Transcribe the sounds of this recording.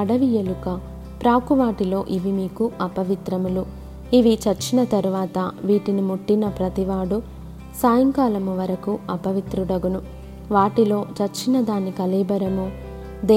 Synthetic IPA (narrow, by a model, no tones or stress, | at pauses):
ɐɽɐʋijɐlukɐ | pɾaːkuʋaːʈilo̞ːʔiʋimiːkuɐpɐʋit̪ɾɐmulu | iʋit͡ʃɐɾt͡ʃːinɐt̪ɐɾuʋaːt̪ɐʋiːʈinimuʈːinɐpɾɐt̪iʋaːɽu | saːjɐŋkaːlɐmuʋɐɾɐkuɐpɐʋit̪ɾuɽɐɡunu | ʋaːʈilo̞ːt͡ʃɐɾt͡ʃːinɐd̪aːnːikɐlɛːbɐɾɐmu | d̪e